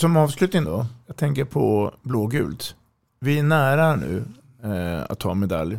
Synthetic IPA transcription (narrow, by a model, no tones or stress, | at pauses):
sɔmɑːvslʉ̟ːt̪nɪŋnd̪ɔjɑːɡ̚t̪ʰɛŋkəɾpʰɔbloːɡʉ̟ːlt̪ | vɪæɳæːɾaæɳʉ̟̰ː | a̰t̪ʰːɑ̰ːɛnmɛd̪a̰lj